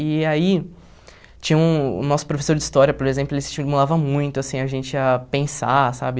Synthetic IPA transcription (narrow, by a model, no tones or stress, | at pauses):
ɪai | t͡ʃĩɲɐũʊ̰nɔsʊ̥pɾofe̥soɾd͡ʒist̪ɔɾjɐpoɾezẽplʊelɪst͡ʃimulavɐmũj̃t̪ʊasĩɐʒẽnt͡ʃɪapẽsa̰sa̰bɪ